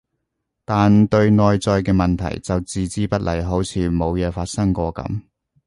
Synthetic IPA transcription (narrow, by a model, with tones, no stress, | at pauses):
t̪aː˨nt̪ɵ˧ɥnɔː˨˧jt͡sɔː˧jkɛː˧mɐ˨nt̪ʰɐ̰˨˩jt͡sɐ˨wt͡siː˨t͡siː˥pɐ˥t̚lʔɐ̰˨˩jɦo˨˥wt͡sʰiː˨˧mo˨˧wjɛː˨˧faː˧t̚sɐ˥ŋkʷɔː˧kɐ̰˨˧˥m